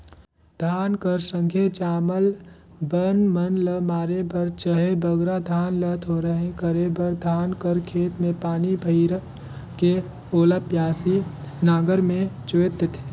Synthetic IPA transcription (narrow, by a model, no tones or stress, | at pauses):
d̪̥ʱaːnkəɾsə̃ŋkʰet͡ʃaːməl | bənmənləmaːɾebəɾt͡ʃəɦebəɡɾad̪ʱaːnlət̪ʰoɾəɦẽkəɾebəɾd̪ʱaːnkəɾkʰeːt̪mẽpaːnibʱəɪɾ | ke | oːlapjaːsinaːɡəɾmẽt͡ʃoːt̪ət̪ʰe̥ː